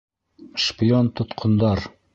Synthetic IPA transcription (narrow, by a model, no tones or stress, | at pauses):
ʃpiont̪ŏt̪qʰŏnd̪ɑɾ